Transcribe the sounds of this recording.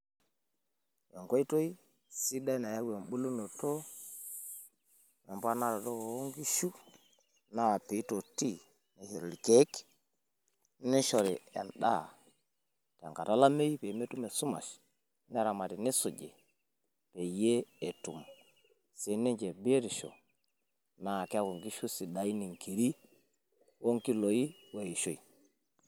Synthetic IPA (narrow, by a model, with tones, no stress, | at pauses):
jo˨ŋko˦i˦to˦ji˦ | si˦da˦i˦na˨ja˦ɡe˨mɓu˦lu˦no˨to˦ | jo˨mpa˦na˦ɾa˨to˦o˨o˦ŋɡi˦ʃu˦ | na˦a˨pi˨˦to˨ti˦ | ni˨ʃe˨ɾli˨ke˦k | ni˦ʃo˨ɾḭ˨ḛ˨nɗa̰˦˨ | tḛ˨ŋka˨ta˦la˦me˦ji˦pe˨˦me˦tu˦me˨su˦ma̰˨ʃ | ne˦ɾa˨ma˨ti˨ni˦su˨ɟḛ˨ | pe˨je˦e˨tu˨m | si˨ni˦d͡ʒe˨be˦ɾi˨ʃo̰˨ | na˨ke˦ko˨ŋɡi˦ʃu˦si˨da˨i˦ni˨ŋki˨ɾi˦ | wo˦ŋki˦lo˨ji˦ | wa˨ji˨ʃo˦˨ḭ˨